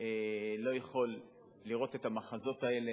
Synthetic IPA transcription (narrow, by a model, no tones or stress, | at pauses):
elo̞jeχo̞lː | iʁo̞t̪e̞tamaχazo̞t̪ae̞le